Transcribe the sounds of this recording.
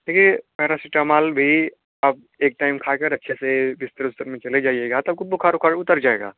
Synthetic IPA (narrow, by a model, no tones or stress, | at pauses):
d̪eːkʰiepɛɦɾasɪʈamaːlbʱi | ɐb̚ | eːk̚ʈaːɪmkʰaːkɐɾɐtːʃʰesebɪst̪əɾʊst̪əɾmẽt͡ʃɐled͡ʒaːijeːɡaːt̪ɐb̚kobʊkʰaːɾʊkʰaɾʊt̪əɾd͡ʒaːḛːɡa̰ː